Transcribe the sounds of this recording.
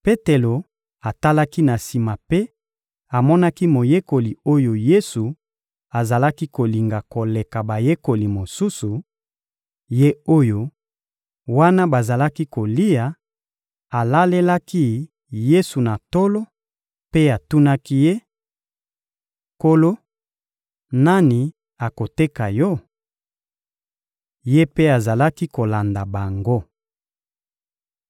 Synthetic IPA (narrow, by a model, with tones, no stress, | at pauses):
pe˦te˨lo˨ | a˨ta˦la˦ki˦na˨si˨ma˨pe˦ | a˨mɔ˦na˦ki˦mo˨je˦ko˨li˨o˦jo˨je˦su˨ | a˨za˨la˦ki˦ko˨li˨ŋɡa˨ko˨le˨ka˨ba˨je˦ko˨li˨mo˨su˦su˨ | je˦o˦jo˨ | wa˦na˦ba˨za˨la˦ki˦ko˨li˦ja˨ | a˨la˦le˦la˦ki˦ | je˦su˨na˨to˦lo˦ | pe˦a˨tu˦na˦ki˦je˦ | ko˦lo˦ | na˦ni˨ | a˨ko˨te˦ka˨jɔ˦ | je˦pe˦a˨za˨la˦ki˦ko˨la˨nda˨ba˨ŋɡo˦